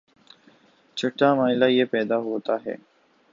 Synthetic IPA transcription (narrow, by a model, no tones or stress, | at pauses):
t͡ʃʰɐʈːamaːɪlajepɛːd̪aɦoːt̪aɦɛ̰ː